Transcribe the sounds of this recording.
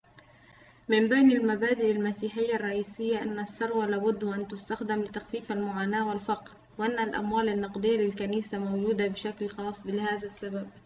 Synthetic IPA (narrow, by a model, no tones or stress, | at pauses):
mɪmbajnalmabaːd̪ɪʔalmasiːħɪjːarˤːɑʔiːsɪjːaʔanːasːɑɾˤwalaːbʊd̪ːʔant̪ʊst̪axd̪ɪmlɪt̪axfiːfalmʊʕaːnaːwɪlfɑqɾ | wɪʔanːalʔa̰mwaːlanːɑqd̪ˤɨjːalɪlkaniːsamowd͡ʒuːd̪abɪʃaklxɑːsˤbɪlhaːðasːabab̚